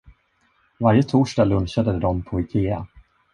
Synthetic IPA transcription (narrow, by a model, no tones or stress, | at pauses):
vaɾjət̪ʰuːʂʈaːlɵnɕad̪əd̪ɔmpʰɔɪkʰeːa̰